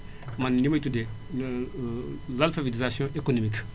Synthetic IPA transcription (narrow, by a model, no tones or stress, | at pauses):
mɐnnimɐjt̪ud̪e | lɐlfɐvitizasjɔ̃ʔekonomik